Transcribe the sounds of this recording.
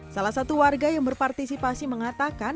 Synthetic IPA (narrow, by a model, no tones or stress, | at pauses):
salahsat̪uwarɡajaŋbərpart̪isipasiməŋat̪akan